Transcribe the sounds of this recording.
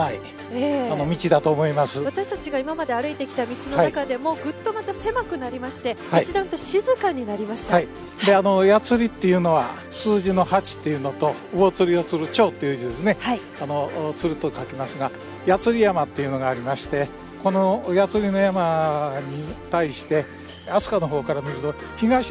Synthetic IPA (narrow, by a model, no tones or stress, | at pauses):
ai | eano̞mʲit͡ɕid̪at̪o̞ːmo̞imasɨβat̪aɕi̥t̪at͡ɕiɡaimamad̪e̞aɾɯ̟it̪e̞kʲi̥t̪amʲit͡ɕino̞anakad̪e̞mo̞ːɡɯ̟t̪ːo̞mat̪ase̞makɯ̟naɾʲimaɕi̥t̪e̞haiit͡ɕid̪ãnt̪o̞ɕizɨkaɲ̟ːinaɾʲimaɕi̥t̪ahai | d̪e̞ano̞jat͡sɨɾʲit̪ːe̞jɯ̟no̞βa̰ | sɨːʑino̞hat͡ɕi̥t̪ːe̞jɯ̟no̞t̪o̞ɯ̟o̞t͡sɨɾʲio̞t͡sɨɾɯ̟t͡ɕo̞ːt̪ːe̞jɯ̟d͡ʑid̪e̞sɨne̞hai | ano̞t͡sɨɾɯ̟t̪o̞kakʲimasɨɡa | jat͡sɨɾʲijamat̪ːe̞jɯ̟no̞ɡaːɾʲimaɕi̥t̪e̞ | ko̞no̞jat͡sɨɾʲino̞jamaɲ̟it̪aiɕi̥t̪e̞ | asɨ̥kano̞ɦo̞ːkaɾamʲiɾɯ̟t̪o̞ | çiɡaɕi